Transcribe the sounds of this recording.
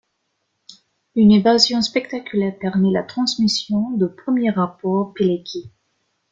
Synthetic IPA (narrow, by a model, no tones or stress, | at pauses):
ynevazjɔ̃spɛkt̪akʲylɛʁpɛʁmɛlat̪χɑ̃smisjɔ̃d̪əpχəmjeʁapɔʁpelekʲi